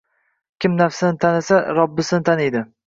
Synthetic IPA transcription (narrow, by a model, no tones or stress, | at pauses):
kʲɪmnafsɪnɪt̪ʰanasaɾɒbːɪsɪnɪt̪ʰaned̪ɪ